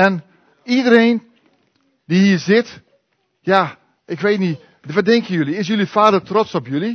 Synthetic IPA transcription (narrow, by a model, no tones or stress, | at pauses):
ɛn | idəɾeːn | dihiːɹzɪt | jaː | ʔɪkʋeːtni | ʋadɛŋkəjøliɪs̬jølifaːdətrɔtsɔpjøli